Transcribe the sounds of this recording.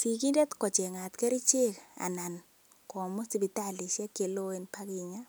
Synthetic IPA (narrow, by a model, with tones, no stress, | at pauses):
si˨ki˦de˦t̪kɔ˨t͡ʃe˨ŋa˨t̪ke˦ɾi˦t͡ʃe˦ka̰˨na˨n | kɔ˨mɔ˦si˨bi˨ta˦˨li˨ʃa˦ke˨lo˦e˦npa˦ki˦ɲa˦